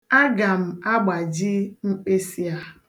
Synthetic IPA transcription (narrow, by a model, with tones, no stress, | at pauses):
a˦ɡa˨m̩˨a˦ɡ͡ba˨d͡ʒɪ˦ŋ͡m̩˦k͡pe˦si˦a˦